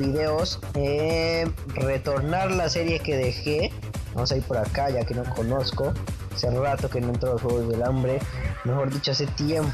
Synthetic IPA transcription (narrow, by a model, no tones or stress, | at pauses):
iðe̞os | e | re̞t̪o̞ɾnaɾlasːe̞ɾje̞ke̞ðe̞xe | ba̰mosaiɾpo̞ɾakaʝakenokʰo̞no̞sko̞aserat̪o̞kenoent̪ɾolosxweɣozðe̞lambɾe̞mexo̞ɾðit͡ʃo̞ase̞t̪jem